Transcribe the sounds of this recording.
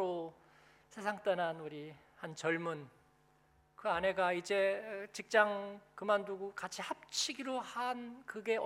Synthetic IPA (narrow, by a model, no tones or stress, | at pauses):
o | sʰe̞sʰaŋt͈ananuɾi | hant͡ɕʌɭmun | kɯane̞ɡaid͡ʑe̞t͡ɕik̚t͡ɕ͈aŋkɯmanduɡukat͡ɕʰihap̚t͡ɕʰiɡiɾohankɯɡe̞